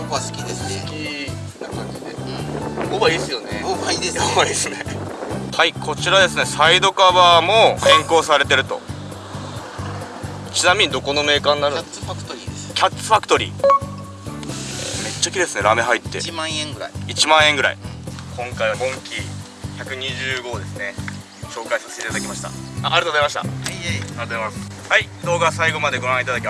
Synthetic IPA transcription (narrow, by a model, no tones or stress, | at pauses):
okaskʲid̪eskʲi | nakãɲ̟d͡ʑid̪ẽ̞̰ | obaiːsɨjo̞ne̞aieoβaisɨnehaikʰo̞t͡ɕiɾad̪e̞sɨne̞said̪o̞kaβamoːhẽ̞ŋko̞ːsaɾe̞t̪e̞ɾɯ̟t̪o̞̰ | t͡ɕinamʲiɲ̟id̪o̞ko̞no̞me̞ːkãːnːaɾɯ̟ | aɯ̥t̪oɾʲikʲat̪ːɨ̥fakɯ̥t̪o̞ɾʲḭː | me̞t͡ɕːakʲid̪e̞sɨne̞ɾame̞ɦait̪ːe̞̰mãẽɡɯɾait͡ɕimãɰ̃ẽ̞ŋɡɯɾa̰ḭkõ̞ŋkaiβamõ̞ŋkʲi | çakɯ̟ɲ̟iʑɨːɡo̞ːd̪e̞sɨne̞ | ɕo̞ːkaisase̥t̪eit̪ad̪akʲimaɕi̥t̪a̰aːɾɯt̪ozaɾimaɕi̥t̪a̰aɾɯt̪oamas | haid̪o̞ːɡasaiɡo̞mad̪eɡo̞ɾãɰ̃it̪ad̪akʲima